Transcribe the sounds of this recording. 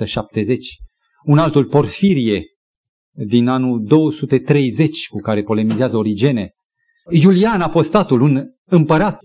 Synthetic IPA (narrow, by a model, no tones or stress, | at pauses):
əʃap̚t̪e̞ze̞t͡ʃʲ | unalt̪ulpo̞rfiɾije̞ | d̪inanuld̪o̞wəsut̪e̞t̪ɾe̞jze̞t͡ʃʲkukaɾe̞po̞le̞mizeazəoɾid͡ʒe̞ne̞ | julianafo̞st̪at̪ulun | ɨmpəɾat̪